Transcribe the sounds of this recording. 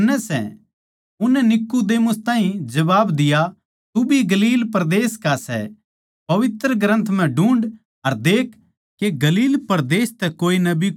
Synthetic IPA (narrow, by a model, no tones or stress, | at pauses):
nɛsɛ̰ | ʊnːɛnɪkːud̪eːmʊst̪ãːɦĩd͡ʒɐʋaːbd̪ɪja | t̪ubʱiɡɐliːlpɐɾd̪eːskasɛ̰ | pɐʋɪt̪ɾəɡɾə̃nt̪ʰm̤ɛ̃ɖũːɳɖ | ɐɾd̪eːkʰ | kːeɡɐliːlpɐɾd̪eːst̪ɛkoːinɐbʱi